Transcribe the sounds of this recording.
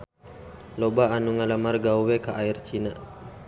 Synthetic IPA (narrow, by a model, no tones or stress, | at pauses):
lɔbaːnuŋalamarɡauwekaʔairt͡ʃina